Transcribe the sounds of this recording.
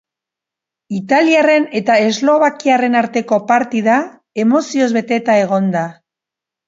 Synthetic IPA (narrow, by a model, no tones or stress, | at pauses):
it̪aliare̞ne̞t̪ae̞zlo̞βakiare̞naɾt̪e̞ko̞paɾt̪iða | e̞mo̞sio̞zβe̞t̪e̞t̪ae̞ɣ̞o̞nd̪a